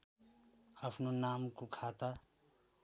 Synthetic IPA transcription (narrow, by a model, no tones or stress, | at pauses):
əpʰnonaːmkokʰaːt̪a